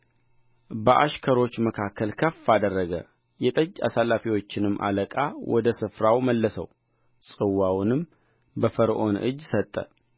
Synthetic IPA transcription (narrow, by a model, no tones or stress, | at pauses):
bəʔaʃkʰəɾo̞t͡ʃːməkʰakʰːəlkʰəfːad̪ərːəɡə̰ | jɛt̪ʼəd͡ʒːa̰salːafiwo̞t͡ʃːɪnɨmːʔa̰ləkʼawʔɔd̪əsɨfɾawməlːəsə̰w | sʼɨwːawnɨm | bəfəɾʔo̞nɨ̰d͡ʒːsət̪ʼːə̰